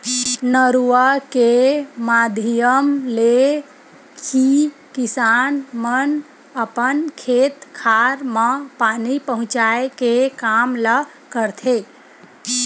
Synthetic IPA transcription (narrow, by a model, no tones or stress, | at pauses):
nəɾuəkemad̪ʱijəmle | ki | kisanmən | əpənkʰet̪kʰaɾməpanipəɦʊ̃t͡ʃaekekamlə | kəɾt̪ʰe